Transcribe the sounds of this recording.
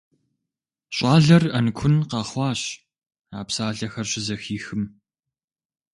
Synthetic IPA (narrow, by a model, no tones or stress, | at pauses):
ɕʼɑːɮɐrɐnkʷʰʊnqɑːχʷɑːɕ | aːpsaːɮɐxɐrɕʼɪzɐxiːxɨm